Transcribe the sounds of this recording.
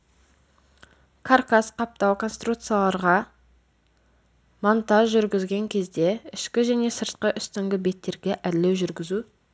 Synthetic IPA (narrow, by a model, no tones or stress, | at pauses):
kʰarkasqʰɑp̚t̪ɑwkʰo̞nst̪ɾut̪sɨjalˠɑɾʁɑ | mont̪ɑʒʒʏɾɡʲɪzɡʲe̞ŋkʲʰe̞zd̪e̞ɪʃkʲɪʒæne̞səɾt̪̚qəʔʏst̪ɪŋɡʲɪbe̞t̪ʰːe̞ɾɡʲe̞ʔæɾle̞wʒʏɾɡʲɪzu